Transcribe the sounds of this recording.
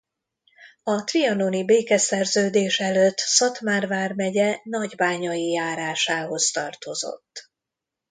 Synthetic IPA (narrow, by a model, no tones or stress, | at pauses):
ɒt̪riɒnonibeːkɛsɛrzøːd̪eːʃɛløt̪ːsɒt̪maːrvaːrmɛɟɛnɒɟbaːɲɒjijaːɾaːʃaːɦo̞st̪ɒrt̪o̞zo̞̰t̪ː